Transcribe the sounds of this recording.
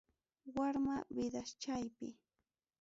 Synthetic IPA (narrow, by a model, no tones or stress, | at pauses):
waɾmawɪd̪aʃt͡ʃajpɪ